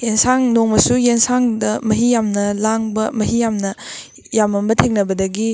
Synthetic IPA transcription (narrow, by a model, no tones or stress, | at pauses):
jensaŋnoŋmɐsujensaŋdɐmɐɦijamnɐlaŋbɐmɐɦijamnɐ | jamɐmbɐtʰeŋnɐbɐdɐɡi